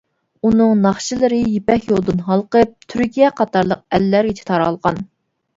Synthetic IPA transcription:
unɨŋnɑχʃilˠɨɾɨjepɛkʲjolˠd̪ɨnɦɑlˠqəp̚t̪ʰyɾkʲijɛqʰɑt̪ɑɾlˠəq̚ɛlːæɾɡʲit͡ʃʰi̥t̪ʰɑɾɑlˠʁɑ̰n

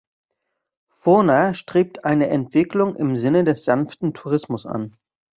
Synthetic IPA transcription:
fʊnaʃtʁ̥eːp̚tʰʔaɪnəʔɛntv̥ɪklʊŋɪmzɪnədɛsz̥anftn̩tʰuʁɪsmʊsʔa̰n

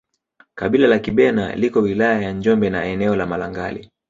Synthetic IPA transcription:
kaɓilalakiɓɛna̰likɔwilajajaɲd͡ʒɔmbɛnaɛnɛɔlamalaŋɡalḭ

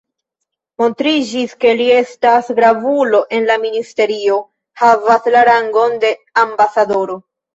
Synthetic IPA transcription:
mo̞ntɾid͡ʒiske̞lie̞stasɡɾavulo̞ʔe̞nlaministe̞ɾio̞ | havaslaɾaŋɡo̞nde̞ambasado̞ɾo̞

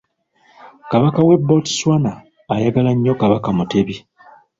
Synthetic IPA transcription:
kaβakawe̞bːoti̥swanaː | jaɡalaɲːokaβakamute̞βi

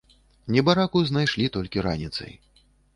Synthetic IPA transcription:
nʲɛbaɾakuznajʂlʲit̪ɔlʲkʲiɾa̰nʲit̪sɐ̰j

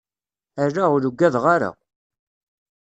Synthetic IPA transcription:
æɾːaʊluɡːæðʁaɾa̰

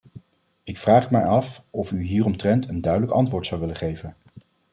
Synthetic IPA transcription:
ɪkfraːχmɛ̰jɑfɔfyɦiːrɔmtrɛntʰəndœɥdələkɑ̰ntʋʊːɹtsɑwʋɪlənχejvən

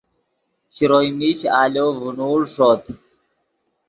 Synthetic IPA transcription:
ɕiɾojmiɕaːloːvunuːlʂoːt̪

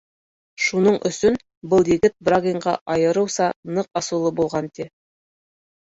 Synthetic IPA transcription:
ʃunɤɴʔɵ̆sɵn | bɤlˠjɘ̆ɡɘt̪̚braɡʲɪɴɢɑ̰ʔɑjɤ̆ɾɤ̆wsɑnɤqɑsŭwlˠɤbulˠʁɑnt̪i

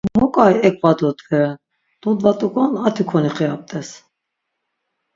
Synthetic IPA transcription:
mɔkʼajɛkʰʼvad̪ɔd̪ɡɛ | d̪̥ud̪vat̪ʼukʼɔnat̪ʰikʰɔniχɛap̚t̪ʼɛs

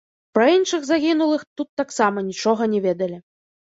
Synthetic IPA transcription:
pɾɐinʂɨɣzaɣʲinulˠɨxt̪ut̪ːaksamɐnʲit͡ʂɔɣɐnʲɛvʲɛd̪ɐlʲi

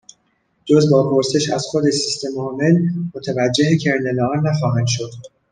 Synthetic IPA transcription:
d͡ʒo̞zbɒːpʰo̞ɾse̞ʃæ̰zxod̪e̞sist̪e̞mɒːme̞lmot̪ʰævæd͡ʒːehecʰeɾnelɒɾnæxɒːhænd̪ʃo̞d̪̥

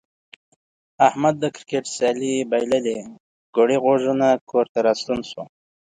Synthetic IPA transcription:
ahmad̪ːəkɾkeʈsaːlibajləle | ɡ̥oɽiɣoʐunakʰoɾt̪aɾast̪unsu

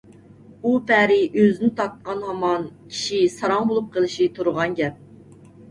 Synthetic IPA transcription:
upæɾɪʔøzɪnɪt̪ʰɑt̪̚qɑnhɑmɑnkʲʰi̥ʃisɑɾɑŋbolˠup̚qʰəlˠɨʃit̪ʰuɾʁɑnɡʲɛp̚

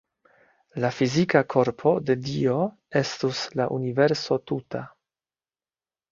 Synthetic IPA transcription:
lafizikakʰo̞ɾpʰo̞de̞dio̞ | e̞stuslaʔunive̞ɾso̞tuta

